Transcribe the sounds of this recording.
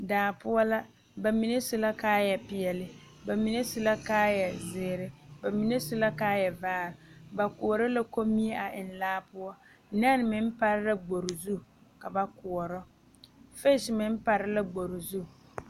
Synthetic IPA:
daː˨pʊ˦ɔ˦la˦ | ba˨mi˨ne˦sʊ˨la˦kaː˦jɛ˨pɪ˨ɛ˨lɪ˦ | ba˨mi˨ne˦sʊ˨la˦kaː˦jɛ˨zɪː˨ɾɪ˦ba˨mi˨ne˦sʊ˨la˦kaː˦jɛ˨vaː˦ɾba˨ku˨ɔ˨ɾɔ˦la˦ko˦mi˦e˦ʔa˨ʔɪ˨n˨laː˦pʊ˦ɔ˦ | n˦a˦n˨mɪ˨m˦pa˨ɾɪ˦la˦ɡ͡bo˨ɾʊ˨zu˦ka˨ba˨kʊ˨ɔ˨ɾɔ˦ | fe˦ʃmɪ˦m˦pa˨ɾɪ˦la˦ɡ͡bo˨ɾʊ˨zu˦

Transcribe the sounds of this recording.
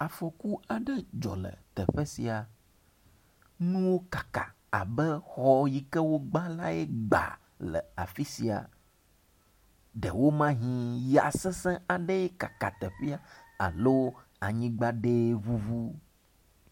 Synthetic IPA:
a˨fɔ˨ku˦a˨ɖɛ˦d͡ʒɔ̰˨lə̰˨t̪ɛ̰˨ɸɛ˦si˨a˨ | nũ˦wo˦kḁ˨ka˨ | a˨bɛ˦xɔ˦ji˨kɛ˦wo˦ɡ͡ba˦la˦e˦ɡ͡ba̰˨ | lə̰˨a˨fi˦si˨a̰˨ | ɖɛ˨wo˦mã˦ɦĩ˦ja̰˨sɛ̃˦sɛ̃˦a˨ɖe˦je˦ka˨ka˨t̪ɛ˨ɸi˦a˦a̰˨lo˦ | a˨ɲĩ˦ɡ͡ba˦ɖe˦vu˦vu˦

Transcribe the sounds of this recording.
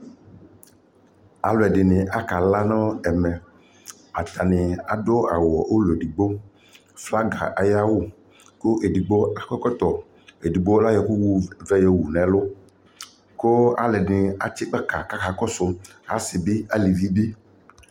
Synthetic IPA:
a̰˨lʊ˨ɛ˨dɪ˨nɪ̃˨ʔa˨ka˨la˦nɔ̃˦ɛ˨mɛ˨ | a˨t̪a˨nɪ̃˨a˨dʊ˦a˨wɔ˨ʔo˦lʊ˨e˨di˨ɡ͡bo˦ | fla˦ɡa̰˨ʔa˨ja˦wʊ˦ | kʊ˦ʔe˨di˨ɡ͡bo˦a˨kɔ˦kɔ˦t̪ɔ˨ | e˨di˨ɡ͡bo˦la˦jɛ˨ku˦wu˦vɛ˦jɛ˨wu˨nɛ̃˨lʊ˦ | kʊ˦a̰˨lɛ˨nɪ˨a˨t͡ʃɪ˦k͡pa˦ka˨ka˦ka˨kɔ˦sʊ˦ | ɦa˨˦sɪ˨bɪ˦a˦li˨vi˦bi˦

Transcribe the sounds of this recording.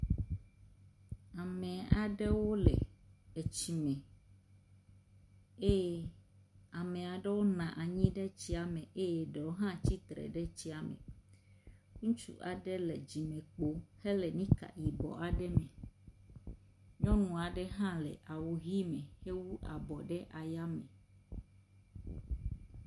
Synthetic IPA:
a˨mɛ̃˨a˨ɖɛ˦wo˦lɛ̰˨e˨t͡ɕi˨mɛ̃˨ | e˦jɛ˦ | a˨mẽ˨a˨ɖɛ˦wo˦nã˨ʔa˨ɲĩ˦ɖɛ˦t͡ɕi˦a˨mɛ̃˨ʔe˦jɛ˦˨ɖɛ˨wo˦ɦã˦t͡ɕi˦t̪ɾɛ̰˨ɖɛ˦t͡ɕi˦a˨mḛ̃˨ | kũ˦t͡ʃṵ˦ʔa˨ɖɛ˦lɛ̰˨d͡ʑi˨mɛ̃˨k͡po˦he˦lɛ˨nĩ˦ka̰˨ji˨bɔ̰˨a˨ɖɛ˦mɛ̃˨ | ɲɔ̃˦nũ˨a˨ɖɛ˦ɦã˦lɛ̰˨ʔa˨wo˨ɦi˦mɛ̃˨he˦wu˦ʔa̰˨bɔ˨ɖɛ˦ʔa˨ja˦mḛ˨

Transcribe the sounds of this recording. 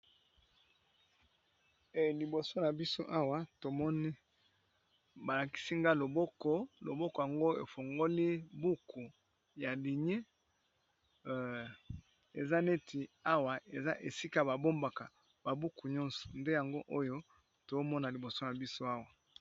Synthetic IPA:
e˨li˨bo˨so˦na˨bi˦so˦ʔa˦wa˨to˨mɔ˦ni˦ | ba˨la˨ki̥˦si˦ŋɡa˦lo˨bɔ˦kɔ˦lo˨bɔ˦kɔ˨ja˨ŋɡo˦e˨fo˨ŋɡo˦li˦bu˦kʰu˨ | ja˨li˨ɲe˦ | e˨za˦ne˦ti˨a˦wa˨ʔe˨za˦ʔe˨si˦ka˦˨ba˨bo˦mba˨ka˨ | ba˨bu˦ku˨ɲɔ˦nsɔ̥˨nde˦ja˨ŋɡo˦ʔo˦jo˦ | to˨o˦mɔ˦na˨li˨bo˨so˦na˨bi˦so˦a˦wa˨

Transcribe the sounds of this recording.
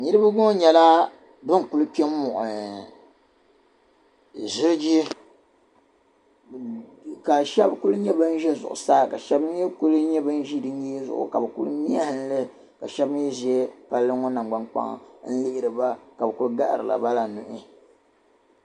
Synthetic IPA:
ɲi˦ɾɨ˦ba˦ɡo˦ɲɛ˨la˦ | bɨ˦ŋ˨ku˦lɨ˦pi˦ɛ˦m˦mʊ˨ʔʊ˨ | zɪ˦ɾd͡ʒi˦ | ka˨ʃɛ˦bku˦lɲɛ˦bɨ˦n̩˦ʒɛ˦zʊ̰˨ʔʊ̰˨saː˦˨ka˨ʃɛ˦bɨ˦jɛ˦ku˦lɲɛ˦bɨ˦n˦ʒi˦dɨ˦ɲ˦i˦zʊ̰˨ʔʊ̰˨ka˨bɨ˨kṵ˦lmi˦a˦hɨ˦n˦lɨ˦ | ka˨ʃɛ˦bɨ˦njɛ˦zi˨˦ɛ˦pa˦lːɨ˦ŋo˦na˨ŋ˨ɡ͡ba˦nk͡pa̰˦ŋ˨n̩˦lɪ˦ʔɪ˨ɾɨ˨ba˦ka˨bɨ˨ku˦lɡa̰˦ʔɾɨ˨la̰˨ba˦la˨nu˨ʔɪ˦

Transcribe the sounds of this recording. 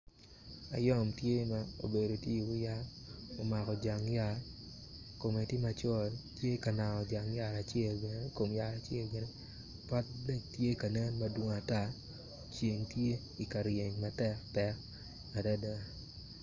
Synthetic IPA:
a̰˨jɔ˦mtje˦ma˦o̰˨be˨do˨ti˦i˨wʊ˦ja˦ | o˨ma˨kɔ˨d͡ʒa˨ŋja˨r | ko˨me˨tɪ˦ma˨t͡ʃɔ˦ltje˦ka˨na˨ɔ˨d͡ʒa˨ŋja˨ɾa˨t͡ʃɛ˦˨lbɛ˨ne˦ko˨mja˨ɾa˨t͡ʃjɛ˦lɡɛ˨ne˦ | pa˦t̚dɛ˦tje˦ka˨nɛ˦nma˦dwo˨ŋa˨ta˦ | t͡ʃe˨ŋtje˦ | i˨ka˨ɾje˨ɲma˨tɛ˦ktɛ˦k | ma˨da˦da˦˨

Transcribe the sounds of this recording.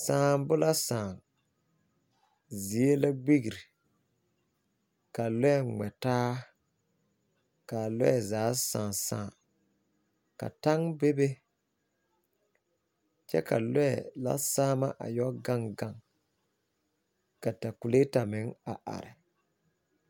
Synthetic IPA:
sãː˨˦mbʊ˦la˦saː˨ŋ | zi˨˦e˦la˦ɡ͡bi˦ɡi˨ɾi˨ | ka˨lɛ˦ɛ˦˨ŋ͡mɛ˨taː˦ | ka˨lɛ̰˦ɛ˨zaː˨˦sãː˨sã̰ː˦˨ | ka̰˨ta˦ŋbe˦be˦ | t͡ʃɛ̰˦ka̰˨lɛ˦ɛ˨la̰˦saː˦ma˦ʔa̰˨jɔ˦ɡa˦ŋɡa˦˨ŋ | ka˨ta˨kʊ˨le˦ta˨mɪ˨˦ŋa˨ʔa̰˨ɾɪ˨

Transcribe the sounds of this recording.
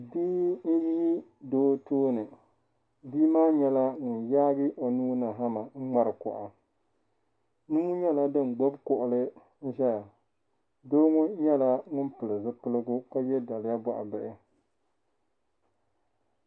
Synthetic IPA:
bi˦n̩˦ji˦i˦doː˦toː˦nɨ˨ | biː˦maː˦ɲɛ˨la˦ŋʊ˨njaː˦ɡɨ˦ʔo˨nuː˦na˨ɦa˦ma˨ŋ̩˦ŋ͡ma˦ɾɨ˨kʊ̰˨ʔa˨ | nu˦u˦ɲɛ˦la˦dɨ˦n˨ɡ͡bo˦bkʊ˨ʔʊ˨lɨ˦ | n̩˦ʃɛ˦ja˨ | doː˦ŋʊ˦ɲɛ˦la˦ŋʊ˦npɨ˨lɨ˨zɨ˦pɨ˦lɨ˦ɡʊ˦ka˦jɛ˦da˨lɪ˨ja˦ba˨ʔa˨bɨ˦ʔɪ˦

